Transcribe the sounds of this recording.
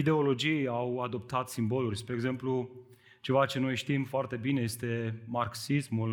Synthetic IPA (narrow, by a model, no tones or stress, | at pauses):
id̪e̞o̞lo̞d͡ʒijawad̪o̞p̚t̪at̪simbo̞lurʲspɾeːɡze̞mplu | t͡ʃe̞vat͡ʃe̞no̞jʃt̪imfoart̪e̞bine̞jest̪e̞marksismul